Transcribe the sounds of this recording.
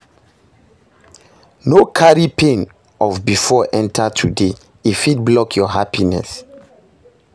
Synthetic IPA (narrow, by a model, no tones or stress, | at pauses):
nokʰaɹipʰẽn | ɔvbifɔʔɛ̃ntʰatʰude | ifit̚blɔkʰjɔɦapinɛ̰s